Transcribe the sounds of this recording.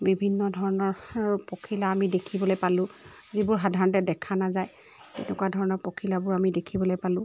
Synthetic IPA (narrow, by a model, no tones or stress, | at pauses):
bibʱinːɔdʱɔɹɔnɔɹpokʰilaːmidekʰibɔlojpalʊ̃ | zibʊɹɦadʱaɹɔntɛdɛkʰanazaj | tɛ̰nɛkwadʱɔɹɔnɔɹpokʰilabʊɹamidekʰibɔlojpalʊ̃